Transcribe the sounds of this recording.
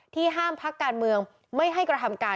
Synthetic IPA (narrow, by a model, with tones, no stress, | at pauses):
t̪ʰiː˥˩ɦaː˥˩mpʰa˦˥kːaː˧nmɯ˧əŋ | ma˥˩jɦa˥˩jkɾa˧t̪ʰa˧mkaː˧